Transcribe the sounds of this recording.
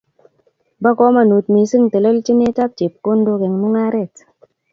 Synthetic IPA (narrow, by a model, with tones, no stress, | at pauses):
ba˦kɔ˦ma˨nu˨t̚mi˨sɨ˦˨ŋtə˨lə˦lt͡ʃi˦ne˦ta˦p̚t͡ʃe˨p̚ko˦ndo˧ke˨ŋmu˦ŋa˦ɾe˦˨t